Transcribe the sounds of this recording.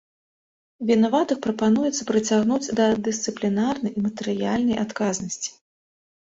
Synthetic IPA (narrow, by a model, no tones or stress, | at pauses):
vʲinavat̪ɨxpɾɐpanujɛt̪sːɐpɾɨt͡sʲaɣnud͡zʲd̪ɐd̪ɨst̪sɨplʲinarnɐjimɐt̪ɛɾɨja̰lʲnɐjʔat̪kaznɐsʲt͡sʲi̥